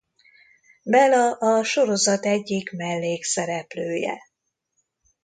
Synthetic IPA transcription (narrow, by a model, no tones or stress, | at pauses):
bɛlɒʔɒʃo̞ɾo̞zɒt̪ɛɟːikmɛlːeːksɛɾɛpløːjɛ̰